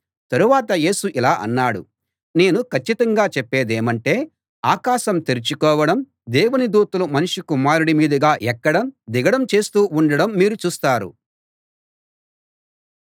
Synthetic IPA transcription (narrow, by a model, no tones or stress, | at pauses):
t̪ɐɾuʋaːt̪̬ɐje̞ːsuʔilaːʔɐ̰nːaːɽṵ | ne̞ːnukʰɐt͡ʃːit̪ɐŋɡaːt͡ʃɛpːe̞ːd̪eːmɐɳʈe̞ː | aːkaːʃɐmt̪eɾit͡ʃukɔːʋɐɽɐm | d̪ɛːʋunid̪uːt̪ɐlumɐnuʃʂikumaːɾuɽimiːd̪ɐɡaːʔɛkːɐɽɐmd̪iɡɐɽɐmt͡ʃe̞ːst̪uːuɳɖɐɽɐmːiːɾut͡ʃuːst̪aːɾṵ